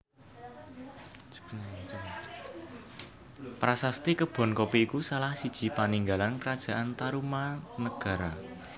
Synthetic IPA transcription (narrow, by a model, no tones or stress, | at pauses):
pɾasast̪ekəb̥ɔ̤nkopiikusalahsid̥ʒ̥i̤paniŋɡalankəɾad̥ʒ̥ä̤ʔant̪aɾumanəɡ̥a̤ɾa